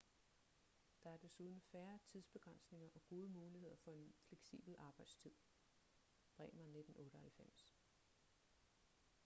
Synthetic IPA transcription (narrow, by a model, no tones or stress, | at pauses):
d̥ɑ̈æɐd̥e̝suð̞ˠn̩fæːɐt͡sʰið̞ˠsb̥e̝ɡ̥ʁɑn̰sne̝ŋɐʔɒ̽ɡ̥o̝ːðˠəmuːlihe̝ð̞̰ˠɐfɒ̽e̝nfleɡ̥sḭːb̥l̩ɑ̈ːb̥ɑ̈ɪd̥st͡sʰið̞̰ˠ | b̥ʁɛ̰ːmɐne̝d̥n̩ɔ̽ːɾ̥əhælfem̰s